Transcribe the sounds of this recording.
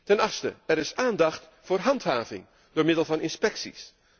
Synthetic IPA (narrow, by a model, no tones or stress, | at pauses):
tɛnɑχstə̰ɛɾɪsaːndɑχt | fʊːɹɦɑntɦaːvɪ̰ŋ | d̥oːɹmɪdəlˠvɑnɪnspɛksḭs